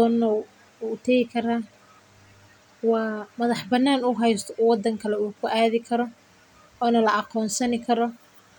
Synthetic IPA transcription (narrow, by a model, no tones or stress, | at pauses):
ɔːnːɔ | uːt̪ʰɐɣɪkʰɐɾaː | wɑːmɐðɑħbɐnːaːnʊɦɛjst̪ʰɔwɑd̪ɐŋkʰɐlɛuːkʰʊʔaːðɪkʰɐɾɔ | ɔːnɐlɐʔɑqɔːnsɐnɪkʰɐɾɔ